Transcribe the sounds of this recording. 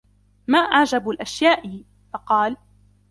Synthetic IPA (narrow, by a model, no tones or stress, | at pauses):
maːʔaʕd͡ʒablʔaʃjaːʔɪ | fɑqɑːl